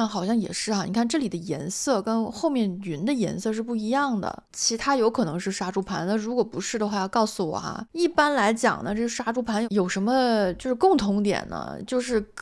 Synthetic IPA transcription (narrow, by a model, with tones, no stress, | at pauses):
nxɑ˨˩ʊɕjɑ˥˩ŋjɛ̰˨˩ʂɻ̩˥˩a˩ni˨˩kʰa˥˧nʈ͡ʂɤ˥˩li˨˩d̪ə˦jɛ̰˧˥nsɤ˥˩kə˥nxo˥˧ʊmjɛ˥˩ny˧˥nd̪ə˧jɛ̰˧˥nsɤ˥˧ʂ̬ɻ̩˥˧pu˥˩i˧˥jɑ˥˩ŋd̪ə̰˩t͡ɕʰi˧˥t̪ʰa˥jo˧˥ʊkʰɤ˨˩nɤ˧˥ŋʂɻ̩˥˩ʂa˥ʈ͡ʂu˥pʰa˧˥nna˥˩ɻu˧˥kwɔ˨˩pu˧˥ʂɻ̩˥˩d̪ə˩xwa˥˧jɑ˥˧ʊkɑ˥˩ʊsu˨˩wɔ̰˨˩˦i˥˩pa˥nla˧˥ɪt͡ɕjɑ̰˨˩ŋnə̰˦ʈ͡ʂɤ˥˩˧ʂa˥ʈ͡ʂu˥pʰa˧˥njjo˨˩ʊʂə˧˥nmə˧t͡ɕjo˥˧ʊʂɻ̩˥˧kʊ˥˩ŋt̪ʰʊ˧˥ŋt̪jɛ̰˨˩nnə̰˧˦t͡ɕjo˥˧ʊʂɻ̩˥˩